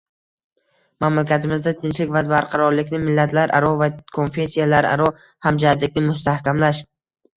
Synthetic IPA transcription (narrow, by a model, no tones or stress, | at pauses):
mamlakʲat̪ʰɪmɪzd̪at̪ʰɪnt͡ʃlɪkʲvad̪baɾqʰɑɾɒɾlɪkʲnɪmɪlːat̪ʰlaɾʔa̰ɾɒvakʰo̞nfe̞sijalaɾa̰ɾɒ | hamd͡ʒaat̪lɪkʲnɪmʊs̬t̪ahkʲamlaʃ